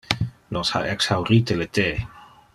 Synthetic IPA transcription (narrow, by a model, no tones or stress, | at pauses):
losa̰ʔɛksawɾit̪elet̪e